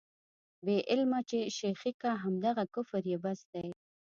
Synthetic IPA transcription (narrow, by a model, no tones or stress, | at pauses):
beʔɪlmat͡ʃeʃexikaɦamd̪aɣakʊfɾjebasd̪aj